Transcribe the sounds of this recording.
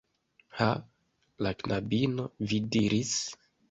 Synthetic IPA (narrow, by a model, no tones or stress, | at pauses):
ha | laknabino̞vidiɾis